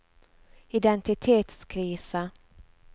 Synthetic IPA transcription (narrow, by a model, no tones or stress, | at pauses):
ɪd̪ɛnt̪ɪt̪ʰeːt̪skʰɾiːsə